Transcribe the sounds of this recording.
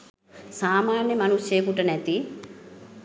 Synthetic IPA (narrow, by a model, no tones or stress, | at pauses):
saːmaːɳjɐmɐnuʃeːkuʈɐnɛt̪i